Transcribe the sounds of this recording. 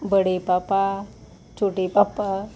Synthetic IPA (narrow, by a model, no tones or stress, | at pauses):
bəɽepapa | t͡ʃoʈipapa